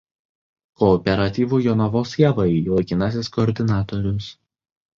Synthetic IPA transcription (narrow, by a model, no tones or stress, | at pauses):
kɔːpʲɛɾɐt̪ʲiːʋuːjɔnɐʋoːsjɛʋɐɪlˠɐɪkʲɪnɑsʲɪskɔːɾʲd̪ʲɪnɑːt̪ɔɾʲʊs